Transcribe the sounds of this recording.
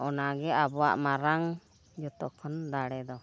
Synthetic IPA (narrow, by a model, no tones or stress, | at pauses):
ɔnaɡɛabɔwa̰ʔmaɾaŋ | d͡ʒɔt̪ɔʔkʰɔnd̪aɽɛd̪ɔ